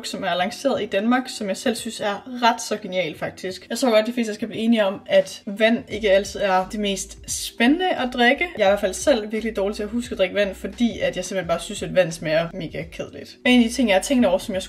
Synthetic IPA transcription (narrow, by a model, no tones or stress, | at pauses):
ɡ̥sɒ̽mæɐlɑ̈ŋse̝̰ːɐð̩ˠid̥ænmɑ̈ːɡ̥sɒ̽mjɑ̈ɪsel̰synsæɐʁɑ̈d̥sɒ̽ɡ̥e̝niɛ̰ːlfɑ̈ɡ̥̚d̥isɡ̥jɑ̈t͡sʰʁɔ̰ːɡ̥ɒ̥̽d̥ife̝̰ːsd̥əsɡ̥æb̥liːe̝ːniɒ̽mæd̥ʋæn̰e̝ɡ̥əæl̰t͡sʰɨð̩̰ˠæɐd̥eme̝̰ːsd̥sb̥enənəʔæd̥ʁeɡ̥əɑɪɐɪʋæɐfæl̰sel̰ʋiɐɡ̥əlid̥ɒːlit͡sʰe̝æɦusɡ̥æd̥ʁeɡ̥əʋæn̰fɒ̽d̥ḭːæd̥jɑɪsem̥enb̥ɑ̈ːsynsed̥ʋæn̰smeɐme̝ːɡ̥ækʰeð̞̰ˠlid̥e̝ːnæd̥it͡sʰe̝ŋ̰jɑɐt͡sʰeŋɡd̥ɒ̰ɐsɒ̽mjɑ̈ɪs